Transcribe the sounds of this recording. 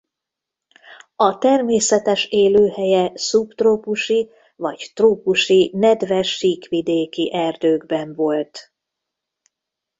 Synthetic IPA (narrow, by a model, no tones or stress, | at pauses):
ɒt̪ɛrmeːsɛt̪ɛʃeːløːhɛjɛsupt̪roːpuʃi | vɒɟt̪ruːpuʃinɛd̪vɛʃːiːkʋid̪eːkiʔɛrd̪øːɡbɛɱvo̞lt̪